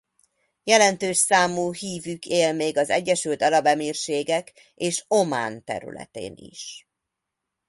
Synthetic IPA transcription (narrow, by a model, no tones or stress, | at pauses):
jɛlɛnt̪øːʃsaːmuːhiːvykʰeːlmeːɡɒzɛɟːɛʃylt̪ɒlɒbɛmiːrʃeːɡɛk | eːʃo̞ma̰ːnt̪ɛ̰ɾy̰lɛ̰t̪ḛːnḭʃ